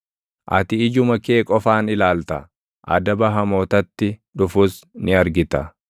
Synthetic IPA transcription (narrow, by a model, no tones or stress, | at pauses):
ʔɐ̰t̪ɪːd͡ʒʊmɐke̞ːkʼɔfaːnɪlaːlt̪ɐ | ʔɐ̰d̪ɐbɐɦɐmo̞ːt̪ɐt̪ːɪᶑʊfʊsnɪɐɾɡɪt̪ɐ